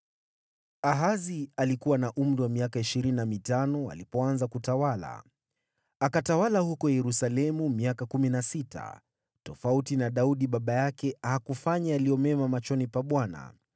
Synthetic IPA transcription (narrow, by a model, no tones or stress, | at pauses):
aɦazialikuwanaʔum̩ɾiwamiakaiʃiɾininamitanɔa̰lipɔanzakutawala̰ | akatawalahukɔjɛɾusalɛmumiakakuminasitʰa̰ | tɔfautinaɗauɗiɓaɓajakɛahakufaɲaaliɔmɛmamat͡ʃɔnipaɓwana̰